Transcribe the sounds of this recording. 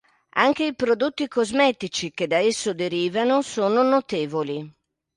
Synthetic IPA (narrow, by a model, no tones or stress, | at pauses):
aŋk̟eipɾod̪ot̪ːikozmɛːt̪it͡ʃik̟ed̪aesːod̪eɾiːvanosoːnonot̪eːvoli